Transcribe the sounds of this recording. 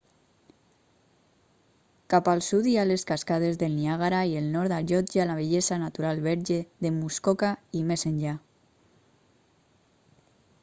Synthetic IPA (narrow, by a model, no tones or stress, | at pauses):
kapalˠsud̪ialeskaskaðezðelniaɣaɾaielnɔɾd̪aʒɔt̪d͡ʒalaβ̞eʎezanat̪uɾalβɛɾʒeðemuskɔkaimesenʎa